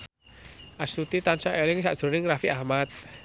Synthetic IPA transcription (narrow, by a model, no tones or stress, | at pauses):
ʔasut̪it̪ansaʔɛliŋsaʔz̥ɾunɪŋrafiʔahmat̪̚